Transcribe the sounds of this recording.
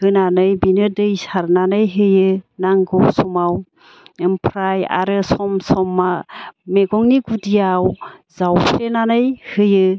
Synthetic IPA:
hɯnanɯjbinɯdɯjsaɾnanɯjɦɯjɯnaŋɡɔwsɔmaw | empʰɾaja̰ɾɯsɔmsɔmːameɡɔŋniɡudijawzawpʰɾenanɯjhɯjɯ

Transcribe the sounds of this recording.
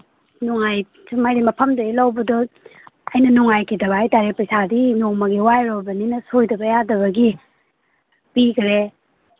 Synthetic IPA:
nuŋaj | sumajɾimɐpʰɐmdɐɡilawbɐdɔ | ɐjnɐnuŋajkʰidɐβaajtaɾepɐjsadinoŋmɐɡiwajɾobɐninɐsojdɐbɐjadɐβɐɡi | pikʰɾe

